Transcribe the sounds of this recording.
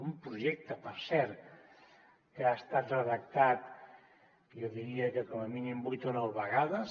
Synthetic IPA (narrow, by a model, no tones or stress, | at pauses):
umpɾuʒɛk̚t̪əpəɾsɛɾ | kəaest̪at̪rəðək̚t̪at̪ | jowðiɾiəkəkoməminimbujt̪onɔwβəɣaðəs